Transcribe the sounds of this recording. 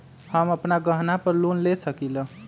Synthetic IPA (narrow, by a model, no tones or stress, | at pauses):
həməpnaɡəɦnapəɾlonlesəkilʌ̃